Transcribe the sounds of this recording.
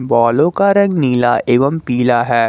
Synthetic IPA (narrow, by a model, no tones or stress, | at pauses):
bɔːlõkaɾɐ̃ŋɡniːla̰ʔeːʋəmpiːlaɦɛː